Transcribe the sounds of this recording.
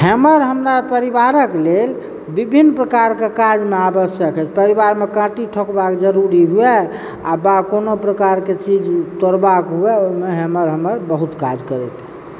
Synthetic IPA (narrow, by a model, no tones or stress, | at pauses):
həməɾɦəmɾapəɾibaɾəklel | bibʱinːpɾəkaɾkekad͡ʒmeabəsjəkʰɦɛt͡ʃʰpəɾiβaɾmekãʈiʈʰokbakd͡ʒəɾuɾiɦuɛ | a̰bakonopɾəkaɾket͡ʃid͡ʒt̪oɾbakɦuɛoimeɦəməɾɦəməɾbəɦut̪kad͡ʒkəɾɛt̪ʰ